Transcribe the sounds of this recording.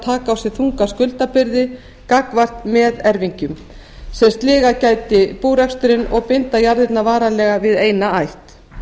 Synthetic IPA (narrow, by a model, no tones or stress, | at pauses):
t̪ʰaːkaːwsɪ̥θuŋkaskʏlt̪apɪɾðɪ | kakvar̥t̪mɛðɛɾviɲcʏm | sɛmst̪lɪːɣacaːjt̪ɪpuːɾɛkst̪ʏɾɪnɔɣpɪnt̪ajaɾðɪt̪navaːɾalɛːɣavɪðeːjnaajht̪